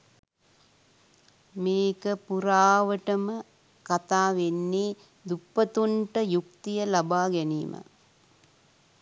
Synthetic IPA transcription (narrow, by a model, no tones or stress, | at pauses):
meːkəpuɾaːʋəʈəmə | kat̪aːʋenːe | d̪upːət̪uɳʈəjukt̪ijəlabaːɡɛnḭːmʔə̰